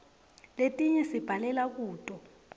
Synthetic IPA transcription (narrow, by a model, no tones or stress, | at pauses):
letʼiɲɛsib̥ʱalɛlak̬uːtʼɔ